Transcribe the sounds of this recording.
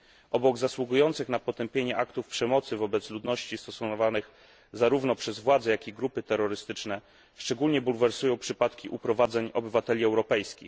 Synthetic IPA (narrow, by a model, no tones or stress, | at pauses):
ʔɔbɔɡzaswuɡujɔnt̪sɘxnapɔt̪ɛmpʲjeɲɛʔakt̪ufpʂɛmɔt̪sɘvɔbɛt̪slud̪nɔɕt͡ɕist̪ɔsuvanɘx | zaɾuvnɔpʂɛzvwad̪zɛjakʲiɡɾupɘt̪ɛɾːɔɾɘst̪ɘt͡ʂnɛ | ʂt͡ʂɛɡulɲɛbulvɛɾsujɔ̃w̃pʂɘpat̪kʲiʔupɾɔvad̪zɛɲɔbɘvat̪ɛlʲiɛwɾɔpɛjskʲḭx